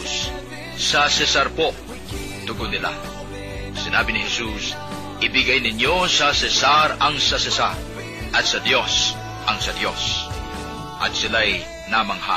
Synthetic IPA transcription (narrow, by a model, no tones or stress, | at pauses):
s | sɐsɛsaɾpo | t̪ʊɡʊdnːɪla̰ | sɪnaːbɪnɪɦɛsus | ʔɪbɪɡajnɪɲjosɐsɛsaɾɐŋsɐsɛsaɾ | ʔɐt̪̚sɐd̪jos | ʔɐŋsɐd̪jo̰s | ʔɐt̪̚sɪlaj | namɐŋha̰